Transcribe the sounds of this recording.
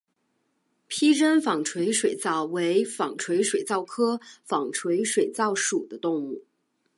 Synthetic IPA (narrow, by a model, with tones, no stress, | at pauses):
pʰi˥ɻə˥nfɑ˨˩ŋʈ͡ʂʰwe˧˥ɪʂwe˨˩ɪt͡sɑ˥˩ʊwe˧˥ɪfɑ˨˩ŋʈ͡ʂʰwe˧˥ɪʂwe˨˩ɪt͡sɑ˥˩ʊkʰɤ˥fɑ˨˩ŋʈ͡ʂʰwe˧˥ɪʂwe˨˩ɪt͡sɑ˥˩ʊʂu˨˩d̪ə˦t̪ʊ˥˧ŋu˥˩